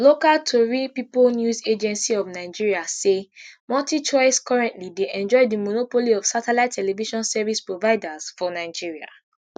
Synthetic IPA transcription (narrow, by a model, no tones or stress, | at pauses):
lokaltʰoɹipipolnjuzed͡ʒɛ̃nsiɔvnaɪd͡ʒiɹiasemɔtit͡ʃɔɪskɔɹɛ̃ntlideʔɛ̃nd͡ʒɔɪdimonopoliɔv̥satɛlatʰːɛlɛviʃɔ̃nsɛvispɹovaɪdaz̥fɔnaɪd͡ʒiɹia̰